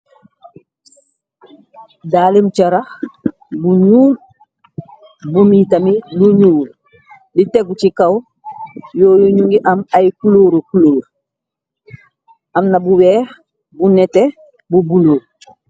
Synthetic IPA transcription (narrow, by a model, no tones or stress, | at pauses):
daːlimt͡ʃaɾah | buɲuːl | bomitamiluɲuːl | diteɡut͡ʃikaw | joːjuɲuŋɡiʔamajkuloːɾukuloːɾ | amnabuweːh | bunete | bubuloːl